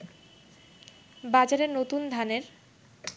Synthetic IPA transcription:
bad͡ʑaɾeɾnot̪und̪ʱaneɾ

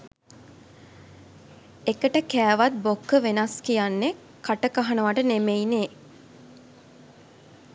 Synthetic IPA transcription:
ekəʈəkæːʋat̪̚bokːəʋenaskijanːe | kaʈəkaɦanəʋaʈənemeine

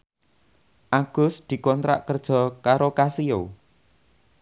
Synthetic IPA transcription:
ʔaɡ̥ʊ̤sd̪̥i̤kɔnt̪ɾa̰ʔkərd̥ʒ̥ɔ̤kaɾokasio

